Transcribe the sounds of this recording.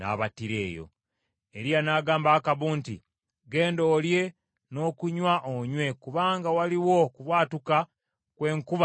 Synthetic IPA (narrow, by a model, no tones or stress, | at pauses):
na̰βatiɾe̞̰ːjo̞̰ | e̞ɾianaɡaːmbaːkaβuːntḭ | ɡe̞ːndo̞ːlje̞ | no̞ːkuɲwaʔoɲwe̞kuβaːŋɡawaliwo̞kuβwaːtuka | kwe̞ːŋkuβa